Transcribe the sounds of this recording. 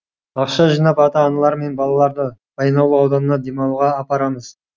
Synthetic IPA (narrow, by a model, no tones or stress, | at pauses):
ɑqʃɑʒijnɑpɑt̪ɑːnɑlˠɑɾme̞nbɑlˠɑlˠɑɾd̪əbɑjnɑwlˠəɑwd̪ɑnənɑd̪e̞mɑw̪ˠʁɑːpɑɾɑməz̥